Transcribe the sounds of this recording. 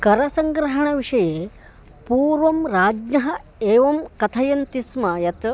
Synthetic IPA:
kɐɾɐsɐŋɡɾɐɦɐɳɐʋiʂɐjeː | puːɾʋɐmɾaːd͡ʒnɐɦɐ | eːʋɐmkɐt̪ʰɐjɐnt̪ismɐjɐt̪

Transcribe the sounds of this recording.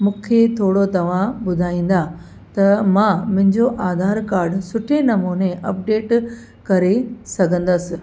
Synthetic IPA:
mũːkʰet̪ʰoːɽot̪ɐʋ̤ãɓʊd̪ʱaːĩːn̆d̪a | t̪ɐmãmʊ̃ɦɪ̃ɲd͡ʑoʔaːd̪ʱaːɾkaːɾɖsʊʈʰenɐmuːneʔɐp̚ɖeːʈ | kɐɾesɐɡʱə̃n̆d̪əsɪ̆

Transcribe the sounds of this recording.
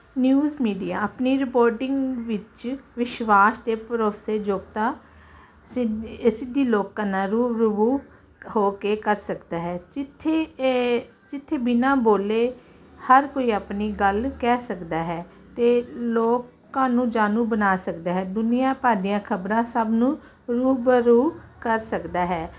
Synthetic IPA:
njuːzmiːɖijaːəpniːɾɪpoːɾʈɪŋɡʋɪt͡ʃʋɪʃʋaːst̪eːpɾoːseːd͡ʒoːɡt̪aː | ssɪd̪iːloːkːãːnãːɾuːɾʊbuː | hoːkeːkəɾsəkd̪aːɦɛːd͡ʒɪt̪ʰːeː | d͡ʒɪt̪ʰːeːbɪnãːboːleː | həɾkoːiːapniːɡəlkɛːsəkd̪aːɦɛː | t̪eːloːk | ãːnũːd͡ʒaːnũːbənaːsəkd̪aːɦɛːd̪ʊnijãːpaːd̪ijãːkʰəbɾãːsəbnũː | ɾuːbəɾuːkəɾsəkd̪aːɦɛː

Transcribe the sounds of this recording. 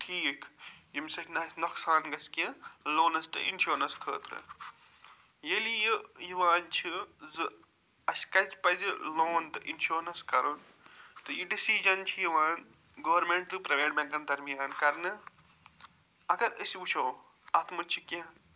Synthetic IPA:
ʈʰiːkjimʲsɐkʲʰnɐsʲnoksaːnɡɐsʲkʲiloːnɐst̪ɨ̰ʔḭnʃoːɾnɐnskʰəːt̪ɾɨ̰ | jelijijiʋaːnt͡ʃʰizɨ | ɐsʲkɐt͡ʃʲpɐziloːnt̪ɨʔinʃoːɾnɐskɐɾun | t̪ɨjiɖisid͡ʒɐnt͡ʃʰijiʋãːn | ɡɐʋɐɾmeɳʈ̚d̪ɨpɾɐʋeːʈ̚bʲɐ̃ŋkɐnd̪ɐɾmijaːnkɐɾnɨ | ɐɡɐɾɨsʲut͡ʃʰoː | ɐt̪ʰmɨt͡ʃʰikɐ̃

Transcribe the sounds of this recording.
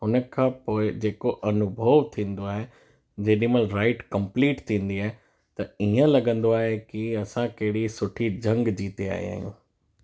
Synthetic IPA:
ɦʊnə̆kʰãːpoːɪd͡ʑeːkoʔɐnʊbʱəʋt̪ʰĩːn̆d̪oaːɦe | d͡ʑeːɗĩməlɾaːɪʈkɐ̃mpliːʈt̪ʰĩːn̆d̪iaːɦe | t̪ɐiːə̃lɐɡə̃nd̪oaːɦekiɐsãkɐɦɪɽisʊʈʰid͡ʑɐ̃ŋɡd͡ʑiːt̪ea̰ːɦḭa̰ːɦijṵ̃ː

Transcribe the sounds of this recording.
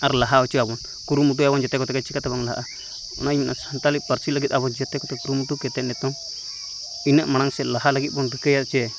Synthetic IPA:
aɾlaɦaot͡ʃiaβon | kuɾumut̪̬ujaβond͡ʒet̪ekot̪ekat͡ʃikat̪aβaŋlaa̰ʔa | nãiminʔasant̪alipaɾsilak̬it̪aβond͡ʒet̪ekot̪ekuɾumut̪uket̪enẽt̪oŋ | inẽʔmañaŋselaɦalakiʔbondɨkejat͡ʃe

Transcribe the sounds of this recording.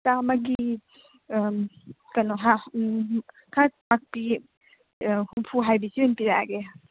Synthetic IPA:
tamaɡi | kanɔɦa | kʰamak̚pi | humpʰuɦajbisiunpiɾaɡe

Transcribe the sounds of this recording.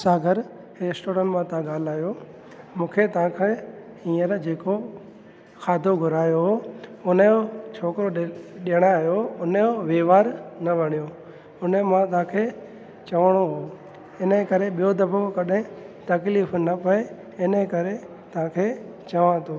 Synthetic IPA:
saːɡʱəɾ | eːsʈoːɾə̃ɳʈmãt̪ãɠaːlaːjo | mũːkʰet̪ɐʋ̤ãkʰe | ĩːəɾd͡ʑeːko | xaːd̪ʱoɡʱʊɾaːjoɦoʊnəjot͡ʃʰoːkɾoɗiəɽ̃aɦjoʊnəjoʋeːʋaːɾnɐʋɐɽ̃ijo | ʊnəmãt̪̬ɐãːkʰeː | t͡ɕɐʋəɽ̃oɦoː | ɪnəkɐɾeɓijod̪ɐbokɐɗɦɪ̃t̪ɐkliːfnɐpɐe | ɪnəkɐɾe | t̪ɐ̤ãkʰeː | t͡ɕɐʋãt̪ʰoː

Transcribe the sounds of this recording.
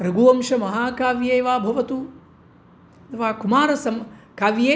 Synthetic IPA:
ɾɐɡuːɐmʃɐmɐɦaːkaːʋjeːʋaːbʱɐʋɐt̪u | d̪ɐʋaːkumaːɾɐsɐmkaːʋjeː

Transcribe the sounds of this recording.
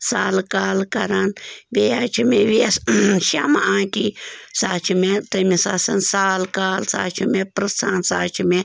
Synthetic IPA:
salkalkaɾanbejat͡ʃimeβiesʃa̰maʔakisat͡ʃimet̪emisasənsalkalsa̰t͡ʃʰimepɾɨsansa̰t͡ʃime

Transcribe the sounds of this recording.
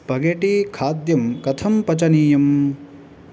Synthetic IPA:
pɐɡeʈikʰaːd̪jɐmkɐt̪ʰɐmpɐt͡ʃɐniːjɐm

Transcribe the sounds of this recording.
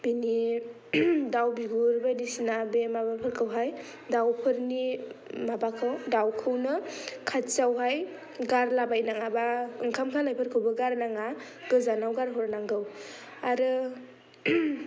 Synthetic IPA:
b̥ini | dawbiɡuɾbenisinabemabapʰɯɾkʰɯwɦaj | dawpʰɯɾnimabakʰɯwdawkʰɯwnɯkʰatsawɦaj | ɡaɾlabajnaŋabaɯŋkʰamkʰalajpʰɯɾkʰɯwbɯɡaɾnaŋa | ɡ̥ɯzanawɡaɾɦɔɾnaŋɡɯw | aɾɯ

